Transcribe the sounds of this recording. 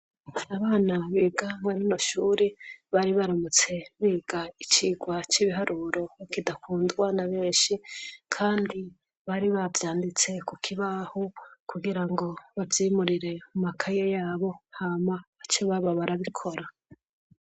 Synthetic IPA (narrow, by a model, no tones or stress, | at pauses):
aβaːnaβiːɡaŋwaninoʃuːɾeβaɾiβaɾomut͡se̞βiːɡ̥ait͡ʃiːɡwat͡ʃiβiɦaɾʔuɾo̞βakidakuːndɡwanaβeːnʃikʰaːndi | βaɾiβavjaːndit͡se̞kukʰiβahokuɡiɾaŋɡo̞βavjiːmuɾiɾe̞mumakʰajejaːβo̞haːmaːt͡ʃiβaβaβaɾaβikʰo̞ɾa